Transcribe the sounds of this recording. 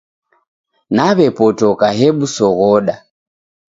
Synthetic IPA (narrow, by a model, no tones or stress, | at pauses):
naβɛpɔtɔkaɦɛɓusɔɣɔɗa